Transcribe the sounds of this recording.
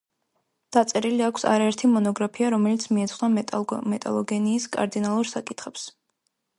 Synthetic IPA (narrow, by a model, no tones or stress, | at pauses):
d̪̥at̪sʼɛɾiliakʰsa̰ɾaɛɾt̪ʰimɔnɔɡɾapʰiaɾɔmɛlit̪sʰmiɛt̪sʰχnamɛt̪ʼa̰lˠɔɡɛniːskʼa̰ɾd̪inalˠuɾsakʼit̪ʰχɛps